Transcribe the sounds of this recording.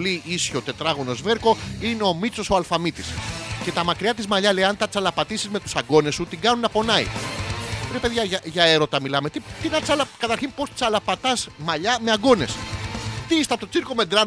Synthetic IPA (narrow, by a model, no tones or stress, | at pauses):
liisço̞t̪e̞t̪ɾɐɣo̞no̞zve̞ɾko̞ineo̞mit͡so̞soɐlfɐmit̪isce̞t̪ɐmɐkɾiɐt̪̬izmɐʎɐlejɐnt̪ɐt͡sɐlɐpɐt̪isizme̞t̪u̥sɐɡo̞ne̞sːut̪iŋɡɐnunɐpo̞nɐḭ | pɾepeðʝɐɐʝɐeɾo̞t̪ɐmilɐme̞t̪it̪inɐt͡sɐlɐkɐt̪ɐɾçinpo̞st̪i̥t͡sɐlɐpɐt̪ɐzmɐʎɐmeɐɡo̞ne̞st̪iist̪ɐp̚t̪ot͡siɾko̞me̞nd̪ɾɐ